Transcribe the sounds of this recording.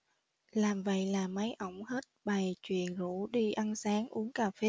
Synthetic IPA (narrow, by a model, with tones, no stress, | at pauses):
laː˨˩mvə̰˧˨jlaː˨˩mə˨˦jʔə˧˩wŋ͡mhe˦˥t̚ɓa˨˩jt͡ɕwḭ˧˨ənzṵ˧˥ɗi˧ʔa˧nsaː˨˦ŋʔu˨˦əŋkaː˨˩fe˨˦